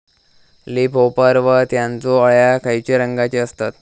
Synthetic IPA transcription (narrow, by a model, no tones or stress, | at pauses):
lipopəɾʋət̪jãnt͡soəɭjakʰajt͡ɕeɾəŋɡat͡ɕeəst̪at̪̚